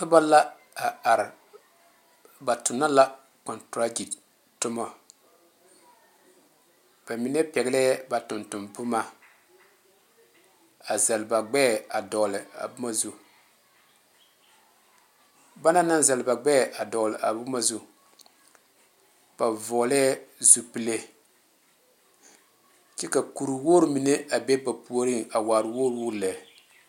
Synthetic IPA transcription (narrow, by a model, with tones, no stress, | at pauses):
ka˦ba˦la˦ | a˨a˨ɾɪ˨ | ba˨tʊ˨nːa˦la˦ | kɔ˨ntɾa˦d͡ʒi˨t | tʊ˦mɔ˦ | b̥a˨mi˨˦nɛ˦pɛ˨ɡɪ˦lɛ˦ba˨tʊ˨ntʊ˨mbʊ˦ma˦ | a˨zɛ˨lba˨ɡ͡bɛ˦˨a˨dɔ˨lɪ˨a̰˨bu˦ma˦zu˦ | ba˦na˦na˦n˦za˨lba˨ɡ͡bɛ˦˨a˨dɔ˨lɨ˨ʔa˨bʊ˦ma˦zu˦ | b̥a˨vɔ˨˦lɛ˦zu˨pi˨le˦ | t͡ʃɛ˦ka˨ku˨ɾu˨woː˦ɾu˦mi˨ne˦a˨be˦ba˨pu˨o˦ɾi˦ŋa˨waː˨ɾɨ˨woː˦ɾwʊ˦˨la˨